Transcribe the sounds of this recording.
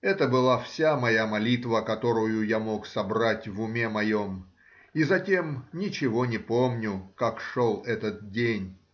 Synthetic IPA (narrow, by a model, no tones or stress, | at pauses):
ɛt̪əbɨlˠafsʲamɐjamɐlʲit̪vəkɐt̪o̞ɾʊjʊjamo̞ksɐbɾatʲvʊmʲe̞mɐjo̞m | izɐtʲemnʲɪt͡ɕɪvo̞nʲɪpomnʲʊkakʂolˠɛt̪ət̪̚dʲenʲ